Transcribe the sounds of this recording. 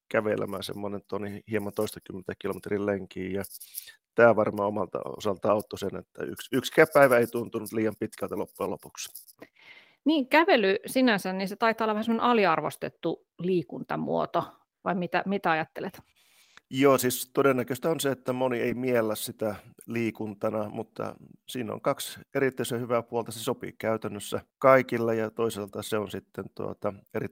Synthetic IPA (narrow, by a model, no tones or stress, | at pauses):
kæʋḛlʔæ̰mæːsḛmːonent̪onihiemɑnt̪oist̪ɑkymːent̪ækilomet̪rilleŋkiːjɑ | t̪æːʋɑrmɑomɑlt̪ɑ̰o̰sɑlt̪ɑɑut̪ːosenet̪ːæ̰y̰ksykskæpːæiʋæeit̪unt̪unut̪liːjɑmpit̪kælt̪ælopːuelo̰puks | niːŋkæʋelysinænsænniset̪ɑit̪ːˑɑolːɑʋæsemːonḛʔɑliɑrʋo̰st̪ḛt̪ːu | liːkunt̪ɑ̰mṵo̰t̪o | ʋɑimit̪æmit̪æɑjɑt̪ːelet̪ | joːsiːst̪odenːækøst̪æonseet̪ːæmonieimielːæssit̪æliːkunt̪ɑnɑmut̪ːɑ̰siːno̰ŋkɑkseɾit̪ːøisehyʋæpuolt̪ɑsesopḭːkæyt̪ænːøsːækɑikilːɑjɑt̪oiselt̪ɑseonsit̪ːent̪uo̰t̪ɑeri